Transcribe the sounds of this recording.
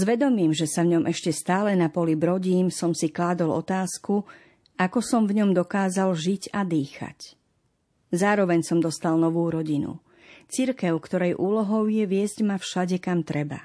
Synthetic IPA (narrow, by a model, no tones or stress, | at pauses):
zʋɛd̪ɔmiːmʒɛsavɲɔmʔɛʃcɛst̪aːlɛnapɔlibɾɔɟiːmsɔmsiklaːd̪ɔlɔ̰t̪aːsku | akɔsɔmvɲɔmd̪ɔkaːzalʒicad̪iːxa̰c | zaːɾɔʋɛɲsɔmd̪ɔst̪alnɔʋuːɾɔɟinṵ | t͡siɾkɛʊkt̪ɔɾɛjʔuːlɔɦɔʊjɛʋɪɛzɟmafʃaɟɛkamt̪ɾɛba